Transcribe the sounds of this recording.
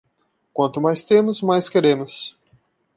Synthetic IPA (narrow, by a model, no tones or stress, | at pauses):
kwɐ̃nt̪ʊmajst̪ẽmʊzmajskeɾẽmʊs